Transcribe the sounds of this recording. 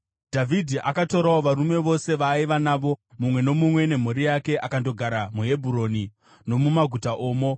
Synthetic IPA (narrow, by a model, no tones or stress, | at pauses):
d̥ʱavʱidʱiʔakatoɾaoʋaɾume̞ʋo̞se̞ʋaiʋanaʋo̞mumwe̞no̞mumwe̞ne̞m̤oɾijake̞ʔakando̞ɡʱaɾamuɦe̞bʱuɾo̞ni | no̞mumaɡʱutaʔoːmo̞